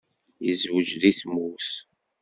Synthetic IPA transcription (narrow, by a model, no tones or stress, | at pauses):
jəzwəd͡ʒðiθmus